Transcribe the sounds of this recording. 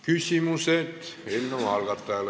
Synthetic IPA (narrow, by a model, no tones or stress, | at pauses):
kysʲimuset̪elʲnomɑlɡɑt̪ːɑl